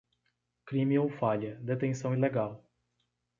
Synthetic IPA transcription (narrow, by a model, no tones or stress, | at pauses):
kɾimiõw̃faʎɐd̪et̪ẽsɐ̃w̃ileɡal